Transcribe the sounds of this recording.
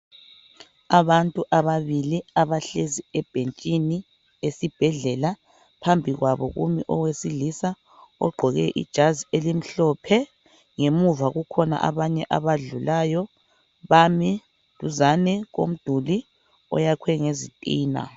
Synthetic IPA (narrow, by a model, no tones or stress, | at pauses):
aβantʼuʔaβaβiliaβaɬeziɛb̥ʱent͡ʃʼini | esib̥ʱɛɮɛla | pʰambʱiɣwaβɔ̰ɣṵmiʔɔwesilisa | ɔ̰ɡ͡ǃʱɔɣɛʔḭd̥ʒ̥ʱazielim̩ɬɔːpʰɛ | ŋemuvaɣukʰɔna̰ʔaβaɲɛʔaβaɮulaːjɔ | βami | tuzanɛɣo̰m̩d̥ʱuli | ɔ̰jakʰwɛŋezitʼiːna̰